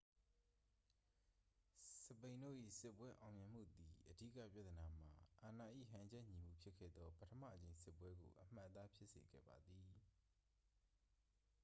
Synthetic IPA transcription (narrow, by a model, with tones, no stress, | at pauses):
səpẽ˨ɪ̃ndo̰˦˨ʔḭ˦˨sɪ˦pːwɛ˦ʔã˨ʊ̃mjɛ̃˨m̥ṵ˦˨d̪i˨ʔədḭ˦˨kä̰˦˨pja˦ʔt̪ːəna˨m̥a̰˨ʔa˨na˨ʔḭ˦˨ɦã˨d͡ʑɛ˦˨ɲi˨m̥ṵ˦˨pʰjɪ˦kʰːɛ̰˦˨d̪ɔ˦pətʰəma̰˦˨ət͡ɕẽ˨ɪ̃sɪ˦pwɛ˦ɡo̰˨ʔəm̥a̰˦ʔt̪a˦pʰjɪ˦ʔsḛ˨ɡɛ̰˦˨ba˨d̪i˨